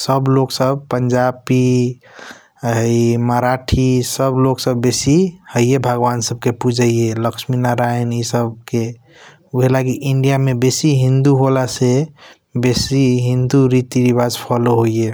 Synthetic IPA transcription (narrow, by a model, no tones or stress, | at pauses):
səbloksəb̚pəɲd͡ʒapi | ɦəiməɾaʈʰisəbloksəbːesihəijebʱəɡʋansəb̚kepud͡ʒʱəijeləksminaɾajnisəb̚ke | uɦelaɡiʔiɳɖijamebesiɦĩnd̪uɦolase | besiɦĩnd̪uɾit̪iɾibad͡ʒpʰɔloɦoie